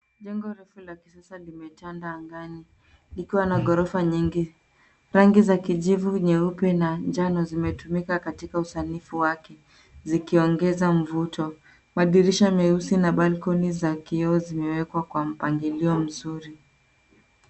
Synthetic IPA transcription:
ʄɛŋɡɔɾɛfulaki̥sasalimɛtandaːŋɡani | likiwanaɠɔɾɔfaɲiŋɡi | ɾaŋɡizakiʄivuɲɛupɛnaɲd͡ʒanɔzimɛtumikakatikausanifuwakɛ | zikiɔŋɡɛzam̩vutɔ | maɗiɾiʃamɛusinaɓalkɔnizakiɔɔzimɛwɛkwakwam̩paŋɡiliɔm̩zuɾi

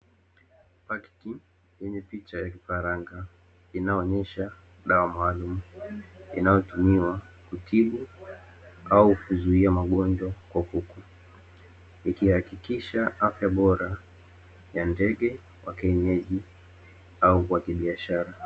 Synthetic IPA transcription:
paktiŋ | jɛɲɛpit͡ʃajakifaɾaŋɡa | inaɔɲɛʃa | ɗawamaːlum̩ | ḭnajɔtumiwakutʰiɓu | aukuzuiamaɠɔnd͡ʒwakwakuku | ikihakikiʃaʔafjaɓɔɾa | jandɛɠɛ | wʔakɛɲɛʄi | aukwakiɓiaʃaɾa

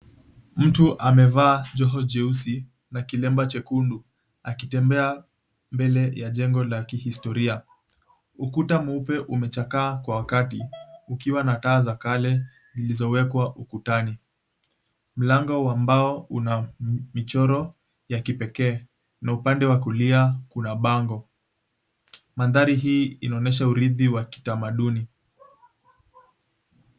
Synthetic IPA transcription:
m̩tuʔamɛvaːd͡ʒɔɦɔd͡ʒɛusi | nakilɛmbat͡ʃɛkundu | akitɛmbɛa | mbɛlɛjaʄɛŋɡɔlakihistɔɾia | ukutamupɛʔumɛt͡ʃakaːkwawakatiukiwanataːzakalɛ | zilizɔwɛkwaʔukutani | m̩laŋɡɔwambaɔunamit͡ʃɔɾɔ | jakipɛkɛː | naupandɛwak̬uliakunaɓaŋɡɔ | manðaɾiɦiːinaɔnɛʃ̬auɾiðiwaki̥tamaɗuni

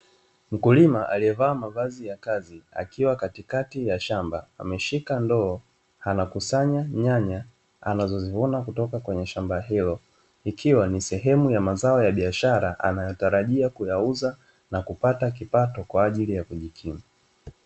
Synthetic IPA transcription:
m̩kulimaʔaliɛvaːmavazijakazia̰kiwakatikatijaʃambaa̰mɛʃikandɔː | hanakusaɲaɲaɲa | a̰nazɔzivunakutɔkakwɛɲɛʃambaɦilɔ | ikʰiwanisɛɦɛmujamazaɔjaɓiaʃaɾaʔanajɔtaɾaʄiakujauza | nakupatak̬ipatɔkwaːʄilijakuʄikʰima

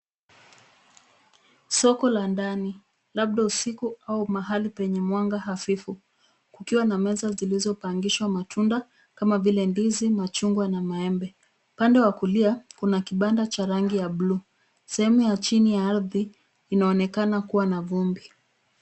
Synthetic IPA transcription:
sɔkɔlandani | laɓ̚ɗausikuaumaɦalipɛɲɛmwaŋɡaɦafifu | kukiwanamɛzazilizɔpaŋɡiʃwamatʰunda | kamavilɛnbizimat͡ʃuŋɡwanamaɛmbɛ | upandɛwakuliakunakiɓandat͡ʃaɾaŋɡijaɓluː | sɛhɛmujat͡ʃinijaaɾðiː | naɔnɛkanakuwanavumbi

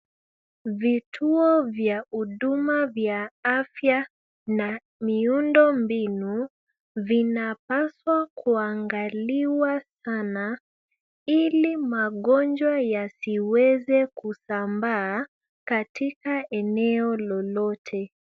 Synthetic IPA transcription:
vitʰuɔvjauɗumavjaafja | na | miundɔmbinu | vinapaswakʰuaŋɡaliwasana | ilimaɠɔnd͡ʒwajasiwɛzɛkusambaː | katikaɛnɛɔlɔlɔtʰɛ

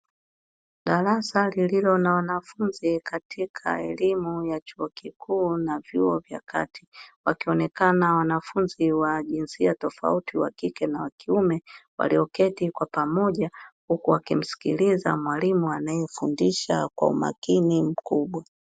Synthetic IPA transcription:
ɗaɾasalililɔnawanafunzikʰatʰikʰa̰ɛlimujat͡ʃuɔkikʰuːnavjuɔvja̰kʰa̰tʰi̥wakiɔnɛkanawanafunziwaʄinsiatɔfa̰utʰiwa̰kikɛnawakiumɛwa̰liɔkɛtikwapamɔʄahukuwakim̩si̥kiliza̰mwalimuanajɛfundiʃakwa̰ṵma̰kinim̩kuɓwa

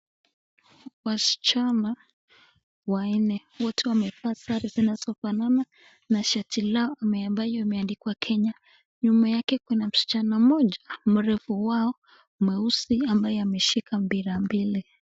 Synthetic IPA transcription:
wasi̥t͡ʃana | wainɛ | wɔtʰɛwamɛfasaɾizinaz̥ɔfanana | naʃatʰilaɔʔamɛambajɔimɛandikiwakʰɛɲa | ɲumajakɛkwɛnam̩ʃi̥t͡ʃanamɔʄam̩ɾɛfuwaɔ | umɛusiambajɛamɛʃikʰambiɾambili

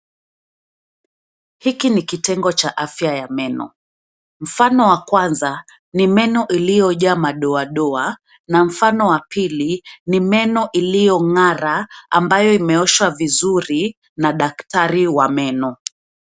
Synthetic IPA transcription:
hikinikitɛŋɡɔt͡ʃaʔafjajamɛnɔ̰ | m̩fanɔwakwanza | nimɛnɔʔilijɔʄamaɗɔaɗɔa | nam̩fanɔwapilinimɛnɔʔilijɔŋaɾaambajɔimɛɔʃwavizuɾi | naɗaktaɾiwamɛnɔ

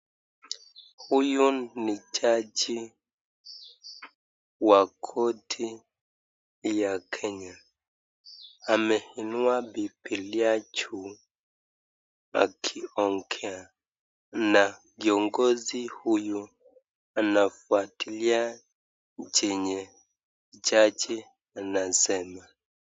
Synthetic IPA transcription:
hujunit͡ʃad͡ʒi | wakʰotʰi | jakʰɛɲa | amɛhinwabipiliat͡ʃu | a̰kʰiɔŋkʰɛa | na | kiɔŋɡɔzihuju | anafuatʰilia | d͡ʒɛɲɛ | d͡ʒad͡ʒi | anasɛma

